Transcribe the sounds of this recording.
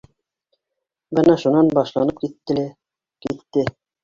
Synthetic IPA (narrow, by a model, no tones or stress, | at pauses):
bɤnɑʃunɑnbɑʃlˠɑnɤp̚kit̪ːɘ̆l | kit̪ːɘ